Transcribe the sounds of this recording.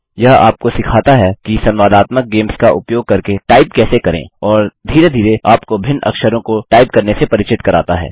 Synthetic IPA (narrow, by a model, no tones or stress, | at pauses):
jɐɦa̰ːp̚kosɪkʰaːt̪aɦɛkisɐ̃nʋaːd̪aːt̪mək̚ɡeːmskaʔʊpjoːɡ̚kɐɾkeʈaːɪp̚kɛːsekɐɾḛ̃ːɔːɾd̪ʱiːɾed̪ʱiːɾeaːpkobʱɪnɐ̰kʃəɾõkoʈaːɪp̚kɐɾnesepɐɾɪt͡ʃɪt̪kɐɾa̰ːt̪aɦɛ̰ː